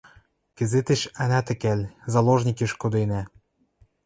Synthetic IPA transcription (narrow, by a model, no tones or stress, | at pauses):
kɘ̆zet̪ĕʃænæt̪ɘ̆kælʲzɑloʒnʲikĕʃkod̪enæ